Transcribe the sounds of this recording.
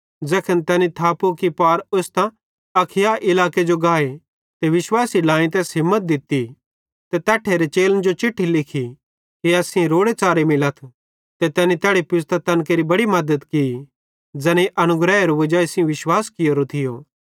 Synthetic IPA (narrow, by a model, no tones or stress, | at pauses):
d͡zɛːkʰənt̪ɛːnit̪ʰaːpukipaːɾost̪ã | ɐkʰɪjaʔɪlaːked͡ʒoɡaːe | t̪eʋɪʃwaːsilãːĩt̪̬ɛːsɦɪmːət̪̚d̪ɪt̪i | t̪ɛt̪ɛːʈʰːeɾet͡ʃeːlənd͡ʒot͡ʃɪʈʰːilɪkʰi | kiɐːsĩɾoːɽet͡ʃaːɾemɪlət̪ʰ | t̪ɛt̪ɛːnit̪ɛːɽepɪst̪ɐt̪ɐnkeɾibɐɽimɐd̪əd̪kii | d͡zɛːneʔɐnʊɡɾɛːeɾoʋɐd͡ʒaːesɪ̃ʋɪʃwaːskɪjoɾot̪ʰɪjoː